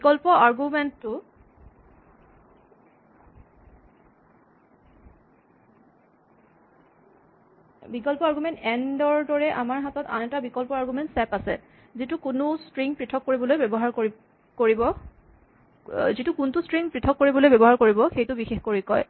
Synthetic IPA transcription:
bikɔlpɔʔaɹɡumɛnttːʊ | bikɔlpɔaɹɡumɛntɛndɔɹdɔɹɛʔa̰maɹɦatɔta̰nɛtabikɔlpɔaɹɡumɛntsɛpasɛ̰ | zitukunʊstɹiŋpɹitʰɔkːoɹibɔlojbɛbɔɦaɹko | koɹibɔ | zitukuntustɹiŋpɹitʰɔkːoɹibɔlojbɛbɔɦaɹkoɹibɔxejtʊbixexkoɹikɔj

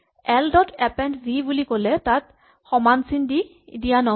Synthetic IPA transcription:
ɛldɔtʰɛpɛntbʱibulikolɛtat̚ | xɔmansindi | dijanɔ

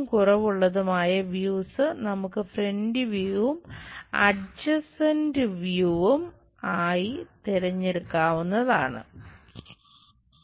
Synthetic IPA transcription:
mkurɐʋuɭːɐðumaːjɐʋjuːsɨnɐmukːɨfrendiʋjuʋumɐ̰ɖd͡ʑɐsɐndɨʋjuʋum | aːjit̪iɾɐɲːeɽukːaːʋunːɐða̰ːɳɨ̰

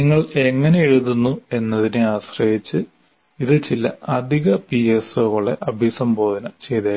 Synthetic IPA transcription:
niŋːɐɭe̞ŋːɐnejeɻuðunːue̞nːɐðinɨaːɕrɐjit͡ɕːɨ | iðɨt͡ɕilːɐɐd̪ʱiɣɐpiesoːɣoɭːeʔɐbʱisɐmbo̞ːd̪ʱɐnɐt͡ɕe̞jt̪a

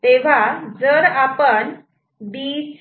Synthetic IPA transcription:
t̪eʋ̤ad͡zəɾapən | bit͡ɕ

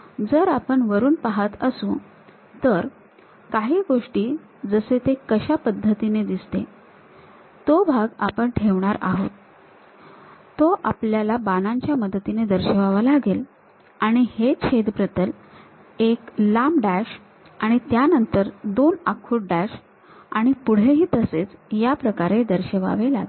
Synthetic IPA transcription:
d͡zəɾapəɳʋəɾuːnpaɦət̪əsũ | t̪əɾ | kaɦiːɡoʂʈiː | d͡zəset̪ekəɕapəd̪ʱːət̪ined̪ist̪e | t̪obʱaɡa̰pəɳʈʰeʋɳaɾa̰ɦo̰t̪ | t̪oʔapljalabanaɲt͡ɕjaməd̪ət̪ined̪əɾɕəʋaʋalaɡel | aɽ̃ihet͡ɕʰed̪pɾət̪əl | eklamɖæɕ | aɽ̃it̪janənt̪əɾd̪onakʰuʈ̚ɖæɕ | aɽ̃ipuɽ̤eɦiːt̪əset͡sjapɾəkaɾed̪əɾɕəʋa̰ʋela̰ɡ

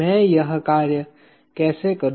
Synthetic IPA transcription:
ɛ̃jɐɦkaːɾjə | kɛːsekəɾ

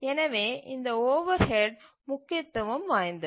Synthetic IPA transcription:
ɛnɐʋeːʔɪnd̪ɐoːʋɐɾhɛɖ | mʊkːɪt̪ːɐʋɯmʋaːjnd̪ɯ

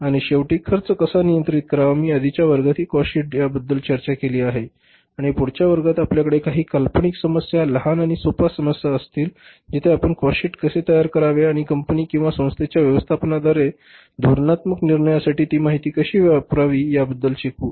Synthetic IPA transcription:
aɽ̃iɕeʋʈikʰːəɾt͡səkəsanijənt̪ɾit̪̚kəɾaʋamiːəd̪ʱit͡ɕjaʋəɾɡat̪ʰiːkɔɕiʈjabəd̪ːəlt͡ɕəɾt͡ɕakeliːaɦe | aɽ̃ipuɽt͡ɕjaʋəɾɡat̪apljakəɽekaɦiːkəlpɳiksəməsjaləɦanaɽ̃isopasəməsjaəst̪iːl | d͡ʑit̪ʰeapəɳkɔɕiʈkəset̪əjaɾkəɾaʋeaɽ̃ikəmpəniːkĩw̃ʋasə̃w̃st̪ʰet͡ɕjaʋjəʋəst̪ʰapnad̪aɾe | d̪uɾnat̪məkniɾɳəjasaʈiːt̪iːmaɦit̪iːkəɕiːʋapɾaʋiːjabəd̪ːəlɕikuː

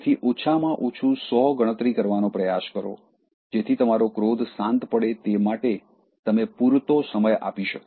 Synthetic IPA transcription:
t̪ʰiʔot͡ʃʰamãʔot͡ʃʰũsɔɡəɽ̃ət̪ɾikəɾʋanopɾəjaskəɾo̰ | d͡ʒet̪ʰit̪əmaɾokɾod̪ʱsãnt̪pəɽet̪emaʈe | t̪əmepuɾt̪osəməja̰piʃək

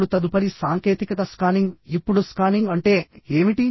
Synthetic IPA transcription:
ɽut̪ɐd̪upɐɾisaːŋke̞ːt̪ikɐt̪ɐskaːniŋɡipːuɽuskaːniŋɡɐɳʈe̞ːeːmiʈi

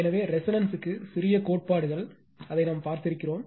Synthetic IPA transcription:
ɛnɐʋeːɾɛsɐnɐnsɯkːɯsɪɾɪjɐkoːʈ̚paːɽɯɣɐɭ | ɐðɐɪnampaːɾt̪ɪɾɯkːɪroːm

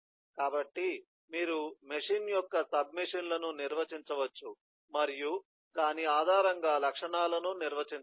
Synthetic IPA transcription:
kaːbɐʈːi | miːɾumeʂiːnjɔkːɐsɐb̚miʂinlɐnuniɾʋɐt͡ʃiɲt͡ʃɐʋɐt͡ʃːu | mɐɾiju | kaːniaːd̪ʱaːɾɐŋɡaːlɐkʂɐɳaːlɐnuniɾʋɐt͡ʃiɲ

